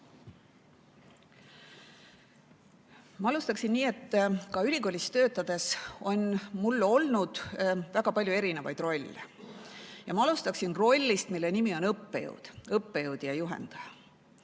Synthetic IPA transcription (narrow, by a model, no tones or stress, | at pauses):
mɑɑlust̪ɑksinniːe̞t̪ːkɑylʲiko̞ːlʲist̪ø̞ːt̪ːˑɑd̪̥e̞so̞nmulːo̞lnud̪̥væɡ̥ɑpɑlʲjue̞ɾinevɑ̰jd̪̥ro̞lʲːḛ | jɑmɑɑlust̪ɑksinro̞lʲːist̪milːe̞nimio̞nɤpːejə̰wd̪̥ɤpːe̞jəwd̪̥ijɑjuɦḛnd̪̥ɑjɑ